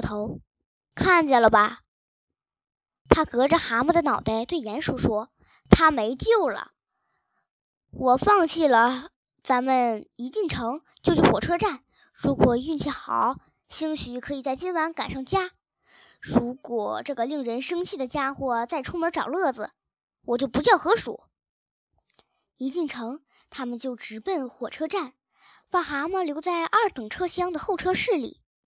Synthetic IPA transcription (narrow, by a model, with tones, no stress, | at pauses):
t̪ʰo˧˥ʊ | kʰa˥˩nt͡ɕɛ˥˩lə˩bɐ˩ | t̪ʰa˥kɤ˧˥ʈ͡ʂə˧xa˧˥mə˥˩d̪ə˩nɑ˨˩ʊt̪a˥˩ɪt̪we˥˩ɪjɛ˧˥nʂu˥˩ʂwɔ˥ | t̪ʰa˥me˧˥ɪt͡ɕjo˥˩ʊlə̰˩ | wʔɔ˨˩fɑ˥˧ŋt͡ɕʰi˥˩lə˩ | t͡sa˧˥mə˨ni˧˥t͡ɕi˥˩nʈ͡ʂʰɤ˧˥ŋ | t͡ɕjo˥˧ʊʂʰy˥˩xwɔ˨˩ʈ͡ʂʰɤ˥ʈ͡ʂa˥˩n | ɻu˧˥kwɔ˨˩y˥˧nt͡ɕʰɛ˥˩xɑ˨˩˦ʊ | ɕi˥ŋɕy˧˥kʰɤ˧˥i˨˩t͡sa˥˩ɪt͡ɕi˥nwa˧˥nka˨˩nʂɑ˥˩ŋt͡ɕja˥ | ɻu˧˥kwɔ˨˩ʈ͡ʂɤ˥˩ɡə˩li˥˩ŋɻə˧˥nʂɤ˥ŋt͡ɕʰi˥˩d̪ə˩t͡ɕja˥xwɔ˥˧t͡sa˥˩ɪʈ͡ʂʰʊ˥mə˧˥ʈ͡ʂɑ˨˩ʊlɤ˥˩d͡zɹ̩˩ | wɔ˨˩t͡ɕjo˥˩ʊpu˧˥t͡ɕjɑ˥˩ʊxɤ˧˥ʂṵ˨˩˦ | i˧˥t͡ɕi˥˩nʈ͡ʂʰɤ˧˥ŋ | t̪ʰa˥mə˨nt͡ɕjo˥˩ʊʈ͡ʂɻ̩˧˥pə˥˩nxwɔ˨˩ʈ͡ʂʰɤ˥ʈ͡ʂa˥˩n | pɑ˥˩xa˧˥mə˥˧ljo˧˥ʊt͡sa˥˧ɪʔɐ˞˥˩t̪ɤ˨˩ŋʈ͡ʂʰɤ˥ɕjɑ˥ŋd̪ə˨xo˥˩ʊʈ͡ʂʰɤ˥ʂɻ̩˥˩lḭ˨˩˦